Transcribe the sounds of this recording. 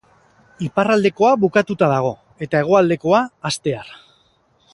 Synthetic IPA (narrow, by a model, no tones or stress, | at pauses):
iparald̪e̞ko̞aβukat̪ut̪aðaɣ̞o̞ | e̞t̪ae̞ɣ̞o̞ald̪e̞ko̞aːst̪e̞aɾ